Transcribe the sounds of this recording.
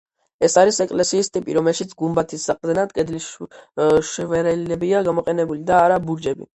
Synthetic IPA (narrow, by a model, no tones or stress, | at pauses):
ɛsaɾisɛkʼlɛsiːst̪ʼipʼḭɾɔmɛlʃit̪sʰɡumbat̪ʰisaqʼd̪ɛnad̪kʼɛd̪li | ʃɛvɛɾɛlɛbiaɡamɔqʼɛnɛbulid̪aːɾabuɾd͡ʒɛbḭ